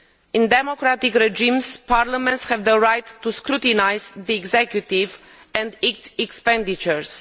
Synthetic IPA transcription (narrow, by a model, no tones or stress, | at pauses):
ĩnd̪emokɾat̪ikɾed͡ʒĩmspaɾlamɛ̃nt̪shɛvðəɾajt̪ːuskɾut̪inajzðiɛɡzekjut̪iv | ɛ̃nd̪itɛkspɛ̃nd̪it͡ʃəɹs